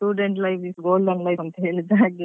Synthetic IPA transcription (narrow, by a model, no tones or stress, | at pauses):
ʈuːɖeɳʈlɐjʋisɡoːlɖɐːŋlɐjɐnt̪ɐɦeːɭid̪aːɡe